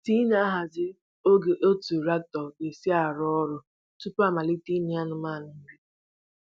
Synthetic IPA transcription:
ti˦na˦ɦa˨zɪ˦ | o˦ɡe˨ʔo˦tu˨ɾa˦k̚tɔ˨e˨si˦a˨ɾʊ˦ɔ˦ɾʊ˨ | tu˦pa˦ma˨li˦ti˦ni˨˦a˦nʊ˨ma˦˨n˨˦n̩˦bi˦

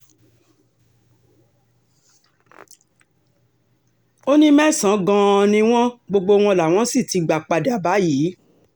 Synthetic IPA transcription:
o˦nĩ˦mɛ̃˦˨sã˨˦ɡã˧nĩ˧w̃ɔ̃˦ɡ͡bo˧ɡ͡bo˧w̃ɔ̃˧la˨w̃ɔ̃˦si˦˨ti˧ɡ͡ba˨k͡pa˨da˨ba˨˦jiː˨˦

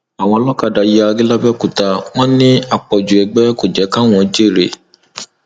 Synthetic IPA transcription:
a˨w̃ɔ̃˧lɔ˦ka˦˨da˨˦ji˦a˧ɡi˦la˦bɛ˦˨ku˨ta˧w̃ɔ̃˦nĩ˦a˨k͡pɔ˨d͡ʒu˨ɛ˨ɡ͡bɛ˦ko˨d͡ʒɛ˨˦ka˦˨w̃ɔ̃˧d͡ʒe˦˨ɾe˨

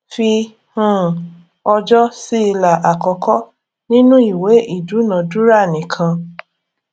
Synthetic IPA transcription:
fi˧ | hũ˦˨ | ɔ˧d͡ʒɔ˦si˦˧la˨ʔa˨kɔ˧kʰɔ˦ | nĩ˦nũ˦i˦˨we˨˦ʔi˦˨du˨˦nã˨du˦ɾa˦˨nĩ˨kʰã˧

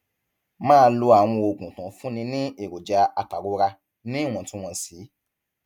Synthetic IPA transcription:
mãː˦˧lo˧a˨w̃ɔ̃˧o˨ɡũ˨tã˨fũ˦nĩ˧nĩ˦e˨ɾo˨d͡ʒa˧a˧ta˨ɾo˨˦ɾa˧ | nĩ˦˨w̃ɔ̃˨tĩ˦w̃ɔ̃˧˨si˨˦

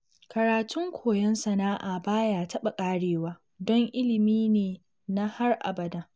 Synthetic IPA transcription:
kɐ˨ɾaː˨tʊ˦ŋkʷʰoː˨jɛ˦nsɐ˨naː˦ʔaː˨baː˦jaː˨tɐ˦ɓa˨kʼaː˦ɽeː˨waː˦ | dɔ˦ŋʔɪ˦lɪ˨miː˦neː˨ | na˦ha˦rʔa̰˨bɐ˨da˦

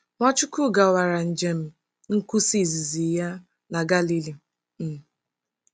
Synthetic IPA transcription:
mʷɔ˦t͡ʃʊ˦kʊ˦ɡa˨wa˨ɾa˨n̩˨d͡ʒe˨m̩˨ | ŋ̩˦ku˦si˦˨zi˨zi˨ja˦ | na˨ɡa˦li˦li˨ | m̩˨

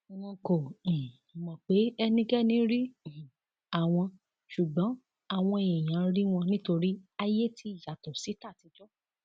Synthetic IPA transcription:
w̃ɔ̃˧kõ˨ | mɔ̃˨k͡pe˨˦ɛ˧nĩ˧ɡɛ˦nĩ˦ɾi˦˨ | a˨w̃ɔ̃˧ | ʃu˨ɡ͡bɔ̃˨˦ | a˦˨w̃ɔ̃˧˨e˨j̃ã˨˦ɾi˦w̃ɔ̃˧nĩ˦to˧ɾi˦a˧je˦ti˧i˦˨ja˨tɔ˨si˨˦ta˦˨ti˧d͡ʒɔ˦

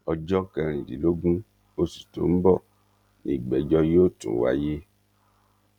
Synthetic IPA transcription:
ɔ˧d͡ʒɔ˦kɛ̃˧ɾ̃ĩ˨dḭ˨lo˦ɡũ˦ | o˧su̥˨to̰˨m̩˦bɔ˦˨ | nĩ˨ɡ͡bɛ˨d͡ʒɔ˧joː˦˨tṵ̃˨˦wa̰˧je˦

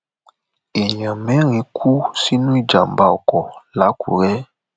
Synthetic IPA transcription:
e˨ɲã˨mɛ˦ɾĩ˨˦kʰu˦si˦nũ˦i˦d͡ʒa˨mba˦ɔ˨kɔ˨la˨˦kṵ˨ɾɛ˦

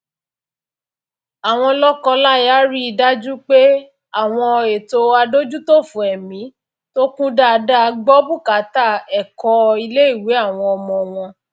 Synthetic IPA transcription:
a˨w̃ɔ̃˧lɔ˦kɔ̃˧la˦ja˦ɾi˦i˧da˦d͡ʒu˦k͡pe˦ | a˦˨w̃ɔ̃˧e˨to˧a˧do˦d͡ʒu˦to˦˨fũ˨ɛ˨mĩ˨˦ | to˦kũ˦da˦˨˧da˦˧ɡ͡bɔ˦bu˦˨ka˨˦ta˦˨ɛ˨kɔ˧˦i˧le˦i˦˨we˨˦a˦˨w̃ɔ̃˧ɔ˧mɔ̃˧w̃ɔ̃˧

